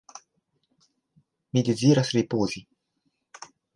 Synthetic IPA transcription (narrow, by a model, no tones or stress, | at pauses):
mid̪iziːɾasripoːzi